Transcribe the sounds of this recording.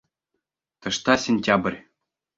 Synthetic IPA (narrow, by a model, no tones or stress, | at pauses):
t̪ɤ̆ʂt̪ɑsʲenʲtʲabrʲ